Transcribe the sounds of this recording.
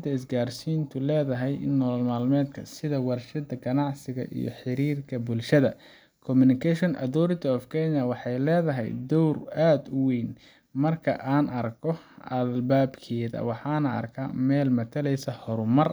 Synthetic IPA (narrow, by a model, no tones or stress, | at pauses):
nt̪ʰɐɪsɡaːrsiːnt̪ʰʊlɛːðɐɦɛjnɔːlmaːlmɛːd̪kʰɐsɪðɐwɑrʃɐd̪ɐɡɐnɑʕsɪɣɐ̰ʔḭjɔ̰ħɪɾiːrkʰɐbʊlʃɐðɐ | kʰɔmʊnɪkʰɛʃɔnʔɐ̰ðɔɾɪt̪ʰɐːfkʰɛnɐwɑħɑjlɛːðɐɦɛ̰jd̪ɔwraːd̪ʊwejn | mɐrkʰɐ̰ʔaːnɐrkʰɔɐlbaːbkʰɛːðɐ̰wɑħɑːnɐɐ̰rkʰɐ̰mɛːlmɐt̪ʰɐlɛjsɐhɔɾʊmɐr